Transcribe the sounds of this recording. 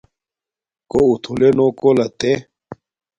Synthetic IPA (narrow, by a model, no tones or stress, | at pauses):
kout̪ʰulenokolɐt̪e